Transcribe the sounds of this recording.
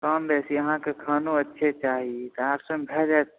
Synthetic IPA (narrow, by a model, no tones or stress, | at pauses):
kəmbɛsiəɦãkekʰaːnuətːʃʰet͡ʃaːɦit̪ɔaːbsə̃mbʱɛd͡ʒat̪̚